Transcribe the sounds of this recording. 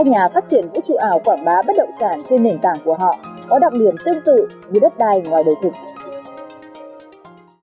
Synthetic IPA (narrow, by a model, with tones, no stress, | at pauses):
a˧ɲaː˨˩faː˦˥t̚t͡ɕi˧˩ənvṵ˧˥t͡ɕṵ˧˨ʔaː˧˩wkwaː˧˩ŋɓaː˨˦ɓə˦˥t̚ɗə̰˧˨wŋ͡msaː˧˩nt͡ɕe˧nːe˨˩nt̪aː˧˩ŋku˧˩əɦɔ̰˧˨kɔ˨˦ɗa̰˧˨wŋ͡m̚ɗi˧˩əmt̪ɨ˧əŋt̪ɨ̰˧˨ɲɨ˧ɗə˦˥t̚ɗaː˧jŋwaː˨˩jɗə˨˩wt̪ʰɨ˨˩k̚